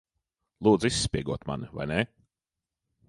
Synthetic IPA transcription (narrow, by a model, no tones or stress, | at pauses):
lˠuːd̪zisːpʲiɛɡuɔt̪ma̰niva̰jne